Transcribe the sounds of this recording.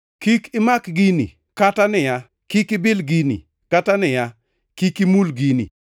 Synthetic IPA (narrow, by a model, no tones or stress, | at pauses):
kikɪmakɡinḭ | katanɪja | kikɪbɪlɡinḭ | katanɪja | kikimulɡinḭ